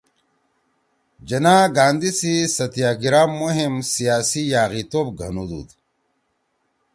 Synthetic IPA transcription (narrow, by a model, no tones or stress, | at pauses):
d͡ʑɐnaːɡaːnd̪isisɐt̪ijaːɡiɾaːmːoɦimsijaːsijaːɣit̪oːp̚ɡʱɐnud̪ṵd̪